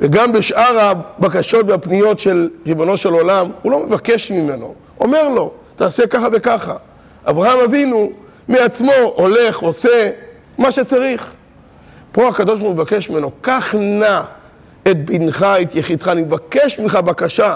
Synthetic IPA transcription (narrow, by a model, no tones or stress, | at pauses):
veɡambeʃʔaʁabakaʃo̞t̪veapnijo̞tʃe̞lʁibo̞no̞ʃe̞lo̞lamulo̞me̞vake̞ʃmime̞no̞̰ | ome̞ʁlo̞t̪aːsekaχave̞kaχa | ʔa̰vʁahamavinu | meat͡smo̞ʔole̞χo̞se | maʃet͡saʁiχ | po̞akad̪o̞ʃbumevake̞ʃmimeno̞kaχna | et̪̚binχaet̪jeχid̪χaːnimevake̞ʃmiχabakaʃa